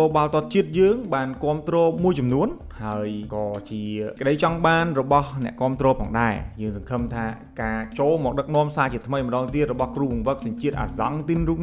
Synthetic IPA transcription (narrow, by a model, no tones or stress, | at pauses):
oːɓaːlt̪ŏət̪̚t͡ɕiət̪̚jəːŋɓaːnkŏəmt̪rɔːmuəjt͡ɕɑmnuən | haəjkɑːt͡ɕiəkə̆ɗəjt͡ɕɑŋɓaːnrɔɓɑhnɛ̆əʔkŏəmt̪rɔːpʰɔːŋɗa̰ɛjəːŋsɑŋkʰəmt̪ʰaː | kaːt͡ɕoːlmɔːk̚ɗək̚nŏəmsaːt͡ɕiət̪ʰməjməɗɑːŋt̪iət̪̚rɔɓɑhkruːʋuŋʋək̚sɑɲt͡ɕiət̪̚ʔa̰ːzɑ̰ŋt̪inruːp̚